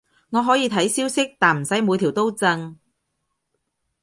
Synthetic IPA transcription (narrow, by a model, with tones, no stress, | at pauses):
ŋɔː˨˧ɦɔː˨˥jiː˨˧t̪ʰɐ˨˥jsiː˥wsɪ˥k̚t̪aː˨˩m̩˨˩sɐ˨˥jmu˨˧jt̪ʰiː˨˩wt̪o˥wt͡sɐ˧ŋ